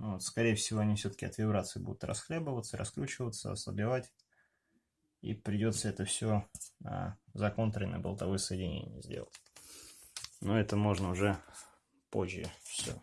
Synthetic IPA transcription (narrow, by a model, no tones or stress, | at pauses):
novot̪skɐɾʲejəfsʲɪvoɐnʲifsʲɵt̪ə̥kʲɪɐt̪vʲɪbɾat̪səɪbṵd̪ʊt̪rɐ̰sxlʲebəvət̪səɾɐ̰skɾʲut͡ɕɪvət̪sə̰ɐ̰sˠə̰bʲɪvatʲ | ḭpɾʲɪdʲo̞t̪səɛt̪əfsʲonə̰zɐko̞nt̪ɾʲənə̰bəlˠt̪ɐvojəsəjɪdʲɪnʲḛnʲɪjə̰zʲdʲelˠə̰tʲ | noɛt̪əmo̞ʐnəʊʐɛ | po̰ʑʲjɪ̰fsʲo̰